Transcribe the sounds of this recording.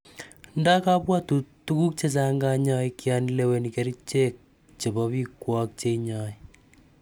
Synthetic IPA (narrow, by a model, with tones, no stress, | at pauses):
nda˦ka˦pwa˦tu˨tu˦ku˦k̚t͡ʃe˦s̬aŋɡa˦ɲɔ˦jkjanilewe˨nikeɾi˦t͡ʃe˦k̚ | t͡ʃe˨bɔ˦βi˦kwɔ˦k̚t͡ʃe˦iɲɔ˨j